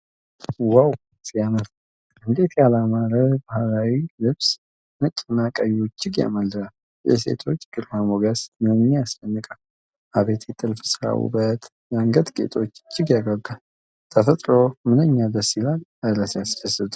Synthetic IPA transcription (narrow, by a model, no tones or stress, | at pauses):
waw | sʼjamət̪ | ɨnd̪e̞t̪jalamaɾəbahalawilɨβs | mət͡ʃʼːɪnːakʼəjot͡ʃːɪɡja̰məlːɨnal | jɛ̰se̞̰t̪ʰo̞t͡ʃːɡ̥ɨɾhamoɡasməmɨnejast͡ʃənːɨkʼal | ʔaβe̞t̪ʰjɛt̪ʼɨlfɨ̥sɨɾa̰wṵbət̪ | jaŋɡət̪ɡʼḛt̪ʼo̞t͡ʃːt͡ʃːɪɡjaɡaɡal | t̪ʰəfət̪ʼɾo̞mɨnəɲːad̪əsːilaləɾəsjast͡ʃəsɨt̪ʼu̥